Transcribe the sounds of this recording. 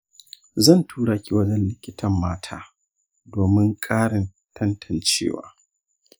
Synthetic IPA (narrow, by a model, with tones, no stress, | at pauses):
zɐ˦˨ntʰuː˦ɽaː˨kʲi˦˨wɐ˦d͡ʒɐ˦nlɪ˦kʲɪ˦tʰɐ˦mːaː˦tʰa̰ː˦ | doː˨mɪ˦ŋkʼaː˦ɽɪ˨n | tʰɐ˦ntʰɐ˨nt͡ʃḛː˦wa̰ː˦